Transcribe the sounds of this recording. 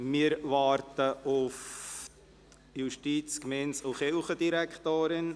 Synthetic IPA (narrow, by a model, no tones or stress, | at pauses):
mɪːɾʋɑːɾtəʔʊf | juʃtiːt͡skmɛnsʊχɪlχəd̥̪iɾækʰt̪oːɾɪn